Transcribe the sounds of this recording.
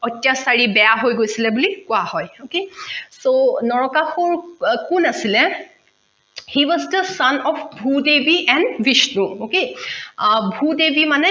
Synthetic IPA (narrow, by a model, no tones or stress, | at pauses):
ɔtːjasaɹibɛjaɦojɡojsilɛbulikʊahɔjokesonɔɹɔkaxɔɹkunasilɛ | hiwɔzdəsanɔfbʱudebiʔɛ̃ndwiʃnuoke | bʱudebimanɛ